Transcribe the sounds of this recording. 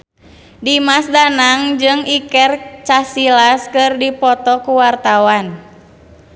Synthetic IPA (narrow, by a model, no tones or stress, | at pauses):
dimasdanaŋd͡ʒɨŋikɛrt͡ʃasilaskɨrdipɔt̪ɔkuwart̪awan